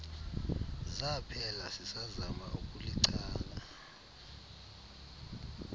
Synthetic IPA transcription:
zapʰɛlasisazama̰ʔukʼuliǀʰaːla

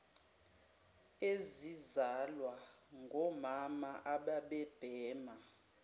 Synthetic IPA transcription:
ezizalwaŋɡʱɔmamaʔaɓaɓɛb̥ʱɛːma

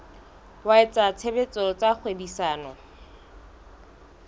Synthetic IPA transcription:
waɪt͡sʼat͡sʰebet͡sʼɔt͡sʼak͡xʰwebisaːnɔ

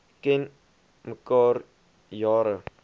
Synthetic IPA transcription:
kɛn | məkɑːr | jɑːɾə

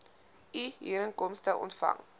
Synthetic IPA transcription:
iɦḭːɾənkɔmstəʔɔ̰ntfɐ̰ŋ

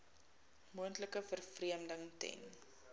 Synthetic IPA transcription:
muəntləkəfərfriəmdəŋtɛ̰n

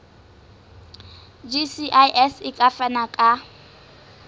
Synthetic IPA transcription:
d͡ʒisiʔaʔɛsɪkʼafanakʼa

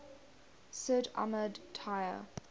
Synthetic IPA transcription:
səda̰mədtʰajə̰

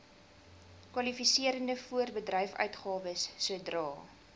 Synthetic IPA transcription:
kwɐlifisiəɾəndəfuərbədrɛjfœ̰ɥtχɑːvəsːuədrɑː

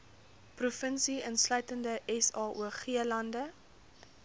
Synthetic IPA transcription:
prufənsiənslœɥtəndəʔɛsɑːʔuəχiəlɐndə

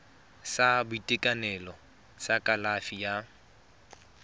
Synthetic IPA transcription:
sabʊitʼɪkʼanɛlɔ | t͡sakʼalafija

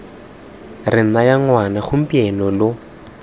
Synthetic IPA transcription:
rɪn̩najaŋwanaχʊm̩piɛnɔlʊ

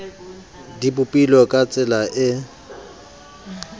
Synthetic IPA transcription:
dibʊpʼilɔkʼat͡sʼɪlaʔɪ

